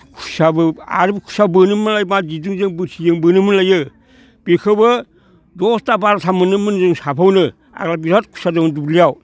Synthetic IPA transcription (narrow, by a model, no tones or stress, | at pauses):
kʰu̥sabɯa̰ɾbkʰu̥sabɯnɯmɯlajmad͡ʒidɯŋzɯŋbɯtʰijɯŋbɯnɯmɯlajɯ | b̥ikʰɯbɯ | dostabaɾtʰamɯnɯmɯnzɯŋsapʰawnɯ | a̰klabiɾat̚kʰu̥sadɯmundublijaw